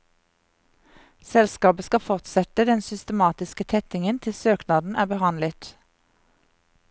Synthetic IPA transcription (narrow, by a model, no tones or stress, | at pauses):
sɛlskɑːbəskɑfɔʁt̪sɛt̪əd̪ɛnsʏst̪əmɑːt̪ɪskət̪ʰɛt̪ɪŋənt̪ʰɪlsøːknɑːd̪n̩æːbəhɑnlət̪